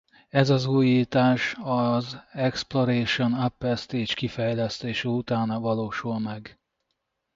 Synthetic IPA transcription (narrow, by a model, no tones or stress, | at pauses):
ɛzɒzuːjiːt̪aːʃɒzɛksplo̞ɾeːʃo̞napːɛst̪eːt͡ʃkifɛjlɛst̪eːʃɛut̪aːnɒvɒloːʃulmɛɡ